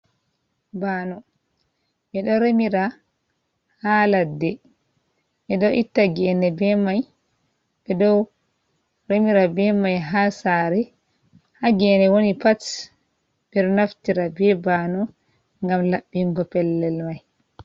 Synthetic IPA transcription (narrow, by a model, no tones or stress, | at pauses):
baːnɔ | mɛɗɔɾemiɾa | haladːɛ | ʔɛɗɔʔitːaɡɛnɛbɛmaj | bɛdɔw | ɾemiɾabɛmajɦasaɾɛ | haɡɛnɛwonipat | b̥ɛɗɔnaftiɾabɛbanɔ | ŋɡamlaɓːiŋɡɔpɛlːɛlmaj